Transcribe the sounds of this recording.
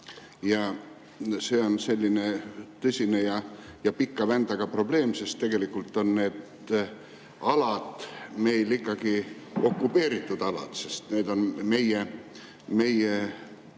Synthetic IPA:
jɑ | se̞ːo̞nse̞lʲːine̞t̪ɤsʲine̞jɑjɑpikːɑvænd̪̥ɑɡ̥ɑpro̞b̥le̞ːmse̞st̪ːe̞ɡ̥e̞likːˑult̪ːˑo̞nne̞ːd̪ | ɑlɑd̪̥me̞jlikːˑɑɡ̥io̞kːˑupe̞ːɾit̪ːˑud̪̥ɑlɑ̰d̪̥se̞st̪ne̞ːd̪̥o̞nme̞je | me̞je

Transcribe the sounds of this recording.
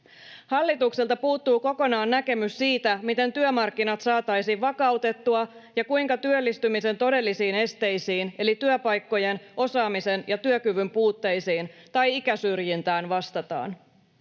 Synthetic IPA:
hɑlːit̪ukselt̪ɑpuːt̪ːuːko̞ko̞nɑːnːæke̞myssiːt̪æmit̪e̞nt̪yømɑrkːinɑt̪sɑːt̪ɑjsiʋɑkɑwt̪e̞t̪ːuɑjɑkujŋkɑt̪yølːist̪ymise̞nt̪o̞de̞lːisiːne̞st̪e̞jsiːne̞lit̪yøpɑjkːo̞je̞nʔo̞sɑːmise̞njɑt̪yøkyʋympuːt̪ːe̞jsiːnt̪ɑjikæsyrjint̪æːnʋɑst̪ɑt̪ɑ̰ːn

